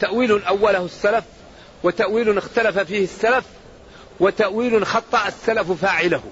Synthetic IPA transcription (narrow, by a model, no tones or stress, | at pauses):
t̪aʔwiːlʊnʔawːalahsːalaf | wat̪aʔwiːlʊnɪxt̪alafafiːhɪsːalaf | wɪt̪aʔwiːlnxɑt̪ˤːɑʔasːalaffaːʕɪlah